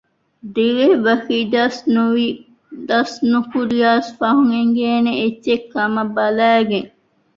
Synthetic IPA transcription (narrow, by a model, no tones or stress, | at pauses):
d̪iɾeʋɐxiːd̪ɐsnui | d̪ɐsnukuɾiaːsfɐɦuŋeŋɡeːneetːekːɐmɐbɐlæːɡeŋ